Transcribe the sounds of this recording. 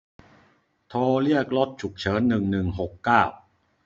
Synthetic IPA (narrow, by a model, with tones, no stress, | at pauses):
t̪ʰoː˧li˥˩ək̚lo˦˥t̪̚t͡ɕʰu˨˩k̚t͡ɕʰɤː˩˦˥nːɯ˨˩ŋnɯ˨˩ŋɦo˨˩kːaː˥˩w